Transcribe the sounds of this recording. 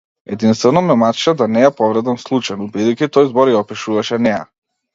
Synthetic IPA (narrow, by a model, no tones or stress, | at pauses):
ɛd̪inst̪vɛnɔmɛmat̪ʃɛd̪anɛjapɔvɾɛd̪amslˠut͡ʃajnubid̪ɛjcʲit̪ɔjzbɔɾjaɔpiʃuvaʃɛnɛja̰